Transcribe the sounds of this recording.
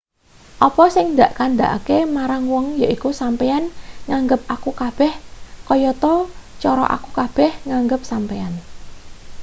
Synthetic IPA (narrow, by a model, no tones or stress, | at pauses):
ʔɔpɔsɪŋnd̪aʔkand̪a̰ʔa̰kemaɾaŋwɔŋja̰ʔikusampeanŋaŋɡəp̚akukab̥ɛhkɔjɔt̪ɔt͡ʃɔɾɔ̰ʔa̰kukab̥ɛhŋaŋɡəp̚sampean